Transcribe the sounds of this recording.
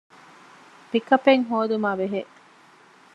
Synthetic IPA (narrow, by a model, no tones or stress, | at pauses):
pikɐpeŋɦoːd̪umaːʋeɦeʔ